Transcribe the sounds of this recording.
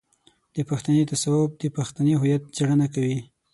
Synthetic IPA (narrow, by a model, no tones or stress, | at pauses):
d̪̥əpaxt̪anet̪asawʊb̚d̪əpaxt̪aneɦʊjat̪̚d͡ʒɽənakawi